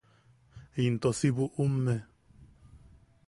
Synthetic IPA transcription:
int̪osiβuʔumːe

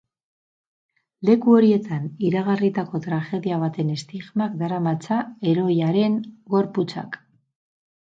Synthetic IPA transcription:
le̞kuo̞ɾie̞t̪aniɾaɣ̞arit̪ako̞t̪ɾaʝe̞ðiaβ̞at̪e̞ne̞st̪iɣmakd̪aɾamat͡sae̞ɾo̞jaɾe̞ŋɡo̞ɾput͡sa̰k

